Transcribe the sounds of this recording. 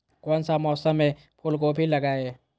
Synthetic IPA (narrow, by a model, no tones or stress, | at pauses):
kɔːnsamɔːsəmẽ | pʰʊlkobʱilɐɡaːeː